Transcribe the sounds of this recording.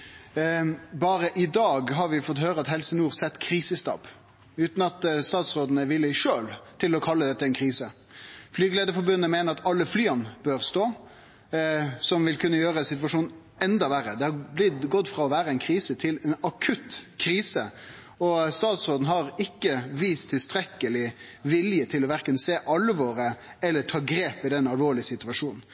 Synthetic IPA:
bɑːɾəʔɪd̪ɑːɡɦɑɾʋɪfɔt̪høːɾəɑt̪hɛlsənuːʁsɛt̪ːkʰɾiːsəst̪ɑ̰p | ʉːt̪n̩ɑt̪st̪ɑːt̪sʁoːd̪ənəʋɪlːəʂøːlt̪ʰɪlɔkʰɑlːəd̪ɛt̪ːəɛnkʰɾiːsə | flyːɡəleːd̪əfɔɾbʉnːəmeːnəɾɑt̪ɑlːəflyːɑnbøɾst̪oː | sɔmʋɪlkʰʉnːəjøːɾəsɪt̪ʋɑʂuːn | ɛnd̪ɑʋæɾəd̪ɛhɑblɪt̪ɡɔt̪ːfɾɑɔʋæːɾəɛnkʰɾiːsət̪ʰɪlɛnɑkʰʉt̪kʰɾiːsə | ɔst̪ɑːt̪sʁoːd̪n̩ɦɑɾɪkːəʋiːst̪ʰːɪlst̪ɾɛkːəlɪ | ʋɪljət̪ʰɪlɔʋæɾkənseːʔɑlʋoːɾəɛlːəʈʰɑːɡɾeːpɪd̪ɛnɑlʋoːɭɪsɪt̪ʉɑʂuːnn̩

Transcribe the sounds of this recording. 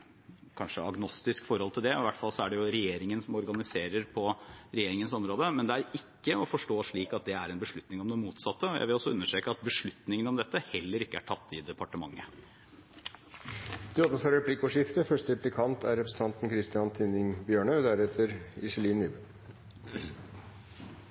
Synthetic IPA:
kʰɑnʂəɑɡnɔst̪ɪskfɔɾɔlt̪ʰɪld̪ɛɔɪʋæʈfɑlsɔæɖɛjʊɾɛjeːɾɪŋənsɔmɔɾɡɑnɪseːɾəɾpʰɔɾɛjeːɾɪŋənsɔmɾoːd̪əmɛnd̪ɛæɾɪkːəɔfɔʂʈoːʂɭiːkɑt̪̚d̪ɛæɾɛnbəʂɭʉt̪nɪŋɔmd̪ɛmuːt̪sɑt̪ːəɔjæ̰ɪʋɪlɔsːɔʉnːəʂʈɾeːkəɑt̪̚bəʂɭʉt̪nɪŋənɔmd̪ɛt̪ːəhɛlːəɾɪkːəæʈʰɑt̪ːɪd̪ɛpɑʈəmɑŋːə | d̪̥ɪɔʋ̪əfɔɾɾɛpʰlɪkːoʂɪft̪əfœʂʈəɪplɪkʰɑnt̪æɾɛpɾəsn̩t̪ʰɑnt̪n̩kʰɾɪst̪ɪɑnt̪ʰɪnɪŋbjøːɳəd̪æɾɛt̪ʰəɾɪʂɛliːnɪd̪ə

